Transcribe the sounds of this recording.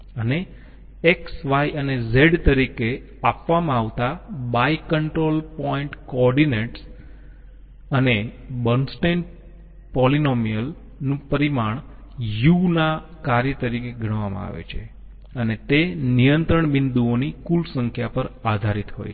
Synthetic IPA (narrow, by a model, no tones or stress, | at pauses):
əne | eksʋajənezeɖt̪əɾike | apʋamãaʋt̪abaikəɳʈɾolpɔiɳʈkɔɾɖineʈs | ənebənsʈen | pɔlinomijəl | nũpəɾimaɳ̃ | junakaɾjət̪əɾikeɡʱəɳ̃ʋamã̰a̰ʋḛt͡ʃʰe | ənet̪enijənt̪ɾəɳbɪnd̪uonikulsə̃ŋkʰjapəɾad̪ʱaɾit̪ɦo̰j